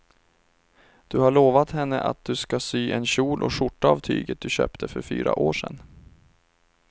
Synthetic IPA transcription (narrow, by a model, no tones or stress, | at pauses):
d̪̥ɵhaɭoːvat̪hɛnːəʔa̰t̪̚d̪ɵskasyːʔɛnɕuːlʔɔʂʊʈːaɑvt̪ʰyːɡət̪̚d̪ɵɕøːpt̪ʰəfœɾfy̰ːɾa̰ʔoːʂɛ̰n